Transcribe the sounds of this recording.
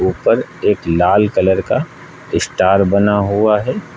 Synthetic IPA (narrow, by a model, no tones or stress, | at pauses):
uːpəɾeːklaːlkɐləɾka | ɪsʈaːɾbɐnaɦuaɦɛː